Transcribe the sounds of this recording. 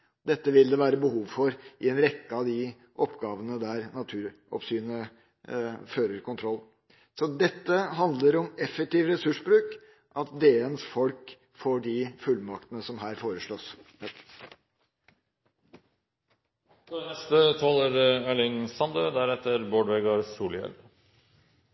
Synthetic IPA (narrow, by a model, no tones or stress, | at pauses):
d̪ɛt̪ːəʋɪld̪ɛʋæːɾəbəhuːʋfɔɾʔɪɛnɾɛkːəɑd̪ɪ | ʔɔpːɡɑːʋənəd̪æɾnɑt̪ʰʉːɾ | ɔ̰psyːnə | føːɾəɾkʰʊnt̪ʰɾɔlː | sɔd̪ɛt̪ːəɦɑnd̪ləɾɔmɛfːɛk̚t̪iːʋɾɛsʉʂbɾʉːk | ʔɑt̪̚d̪eːənsfɔlk | foːɖɪfʉlmɑkt̪ənəsɔmɦæːɾfoːɾəʂɭoːs | ɔɛnɛst̪ət̪ʰɑːləɾɛlɪŋsɑnd̪øːd̪æɾɛt̪ːəɾboːɖʋeɡɑɾsuːljɛ̰l